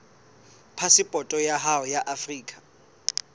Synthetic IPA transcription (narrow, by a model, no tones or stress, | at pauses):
pʰasɪpʼɔtʼɔjaɦaɔjaʔafriːkʼḁ